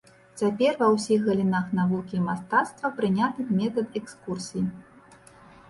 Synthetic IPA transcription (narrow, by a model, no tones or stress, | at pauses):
t͡sʲapʲɛrvɐwsʲixɣɐlʲinaxnavukʲiːmast̪at̪st̪vɐpɾɨnʲat̪ɨmʲɛt̪ɐt̪ɛkskursʲij